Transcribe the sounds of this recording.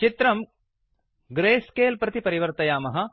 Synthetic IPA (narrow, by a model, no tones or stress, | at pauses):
t͡ʃit̪ɾɐm | ɡɾeːskeːlpɾɐt̪ipɐɾiʋɐɾt̪ɐjaːmɐɦɐ̆